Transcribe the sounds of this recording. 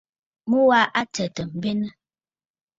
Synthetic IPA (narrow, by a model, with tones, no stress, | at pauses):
mu˦wa˦ʔa˦tə˨tə˨m̩˨be˦nə˦